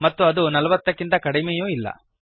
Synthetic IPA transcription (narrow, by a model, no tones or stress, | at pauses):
mɐt̪ːuɐd̪unɐlɐʋɐt̪ːɐkːint̪ɐkɐɽimejuːilːɐ̰